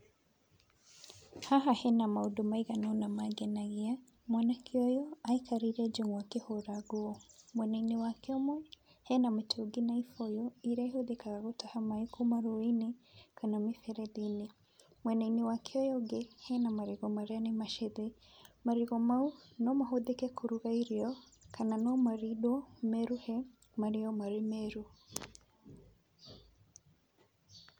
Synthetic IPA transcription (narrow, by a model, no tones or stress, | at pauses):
haɦahɛnamaudumaiɣanɔunamaɡɛnaɣia | mwanakʰiɔjɔaikaɾiɾɛd͡ʒuŋɡwakehɔɾaɡoɔmwɛnainiwakɛɔmwɛ | hɛnametʰoɡinaifɔjɔiɾaiɦoðikaɣaɣotahamaikʰumaɾoinekʰanamifɛɾɛðine | mwɛnainiwakʰɛɔjɔɡɛhɛnamaɾiɣɔmaɾeanemaʃɛðe | maɾiɣɔmaunɔmaɦoðekɛkʰuɾuɣaiɾiɔ | kʰananɔmaɾiɗɔmɛɾuhɛ | maɾiɔmaɾemɛɾu